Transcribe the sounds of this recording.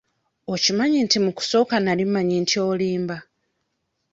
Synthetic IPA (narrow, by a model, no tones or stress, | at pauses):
o̞cimaɲintimuku̥so̞ːkanalimaɲintjo̞ːliːmba